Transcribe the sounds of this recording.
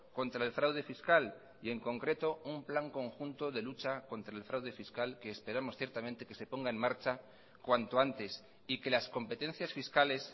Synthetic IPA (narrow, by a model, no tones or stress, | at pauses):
ko̞nt̪ɾae̞lfɾawð̞e̞fiskal | ie̞ŋkõ̞ŋkɾe̞t̪o̞umplaŋko̞ŋxunt̪o̞ðe̞lut͡ʃako̞nt̪ɾae̞lfɾawðe̞fiskalke̞ːspe̞ɾamo̞sθje̞ɾt̪amẽnt̪e̞ke̞se̞po̞ŋɡae̞nmaɾt͡ʃa | kwant̪o̞ant̪e̞s | ike̞lasko̞mpe̞t̪e̞n̟θjasfiskale̞s